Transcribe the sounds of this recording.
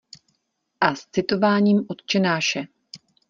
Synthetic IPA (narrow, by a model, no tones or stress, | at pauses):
ʔast͡sɪt̪o̞vaːɲiːmʔo̞t̪t͡ʃɛnaːʃɛ